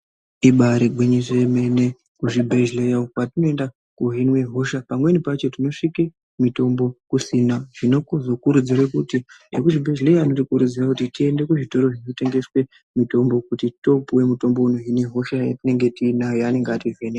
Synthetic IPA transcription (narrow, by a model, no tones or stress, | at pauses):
iɓaɾeɡʱwiɲiseme̞ne̞ | kuʐibʱe̞ʒlejaokwatino̞e̞nda | kuɦinweɦo̞ʃapamwe̞nipat͡ʃe̞tino̞ʂike | mito̞mbo̞kusinaʐ̥ino̞kuzo̞kuɾud͡zirwekuti | ekuʐibʱe̞ʒle̞jaːno̞tikuɾud͡zirakutitie̞nde̞kuʐito̞ɾo̞ʐino̞te̞ŋɡe̞swe̞ | mito̞mbo̞kutito̞puwe̞muto̞mbo̞unoɦinweɦo̞ʃajetine̞ŋɡe̞tiːnajoane̞ŋɡativene